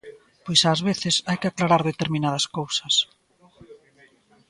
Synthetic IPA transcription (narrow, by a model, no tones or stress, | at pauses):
pojsaːzβeθɪsajkɪaklaɾaɾðet̪eɾmĩnaðɐskowsɐs